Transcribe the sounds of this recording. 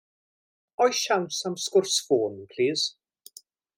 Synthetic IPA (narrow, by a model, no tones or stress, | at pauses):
ɔjʃawnsamskʊrsfoːnpʰl̥iːz̥